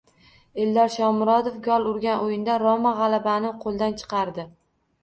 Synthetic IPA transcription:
e̞ld̪ɒɾʃɒmɾɒd̪ofɡʲɒlˠʊɾɡʲanʔojɪnd̪aɾɒmaʁɑlˠabanɪqʰolˠd̪ant͡ʃʰɨ̥qɑɾd̪ɪ

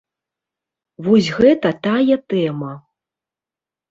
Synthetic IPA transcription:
vɔsʲɣɛt̪ɐt̪ajɛt̪ɛmɐ

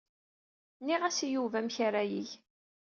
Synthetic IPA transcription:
niʁæsijuvæmçaɾajiç

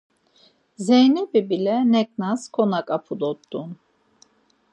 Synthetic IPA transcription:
zejnɛbibilɛnɛk̚naskʰonakʼapʰud̪ot̪ːun

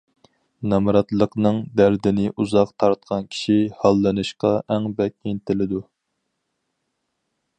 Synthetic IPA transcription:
nɑmɾɑt̪lˠəqnɨŋd̪æɾd̪ɪnɪʔuzɑqt̪ʰɑɾt̪̚qʰɑnkʲʰi̥ʃihɑlˠːɨnɨʃqɑʔæŋbɛk̚ʲent̪ʰɪlɪd̪u

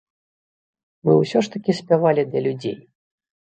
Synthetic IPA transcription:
mɨwsʲɔʂt̪ɐkʲisʲpʲavalʲid̪lʲɐlʲud͡zʲḛj

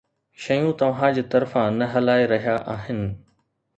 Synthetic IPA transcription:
ʃɐjũt̪ɐʋ̤ãd͡ʑeːt̪ɐɾfãnɐɦɐlaːeɾɐɦijaʔaːɦɪnɪ̆

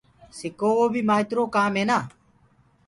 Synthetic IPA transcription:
sekoːoːbʱiːmaːt̪ɾoːkaːmeːnaː

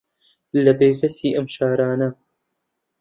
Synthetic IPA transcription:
lɐbeːkʰɐsiːʔɐmʃaːɾaːnɐ

